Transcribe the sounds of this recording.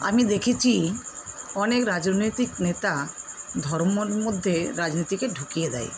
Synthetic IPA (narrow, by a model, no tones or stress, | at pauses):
a̰mid̪ekʰet͡ɕʰi | ɔnekɾad͡ʑnojt̪iknet̪ad̪ʱɔɾmoɾmod̪ʱːeɾad͡ʑnojt̪ikeɖʱukijed̪a̰j